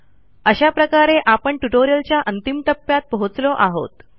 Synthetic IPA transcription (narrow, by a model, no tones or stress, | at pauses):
əɕapɾəkaɾeʔapəɳʈuʈoɾijəlt͡ɕjaʔənt̪imʈ̪əpːjat̪̚pəɦut͡slɔʔaɦo̰t̪